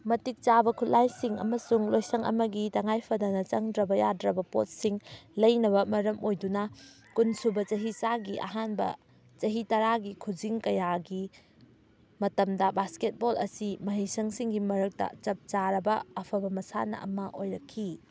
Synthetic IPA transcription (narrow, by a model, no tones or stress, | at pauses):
mɐtik̚t͡ʃabɐkʰut̚lajsiŋɐ̰mɐsuŋlojsɐŋʔɐ̰mɐɡitɐŋajpʰɐdɐnɐt͡ʃɐŋdɾɐbɐjadɾɐbɐpo̰t̚siŋlɐjnɐβɐmɐɾɐmojdunɐ | kunsubɐt͡ʃɐɦisaɡiʔɐ̰ɦanbɐ̰ | t͡ʃɐɦitɐɾaɡikʰud͡ʒiŋkɐjaɡi | mɐtɐmdɐbasket̚bolɐsimɐɦijsɐŋsiŋɡimɐɾɐk̚tɐ̰t͡ʃɐp̚t͡ʃaɾɐbɐːpʰɐbɐmɐsa̰nɐ̰ʔɐ̰mɐʔojɾɐkʰːi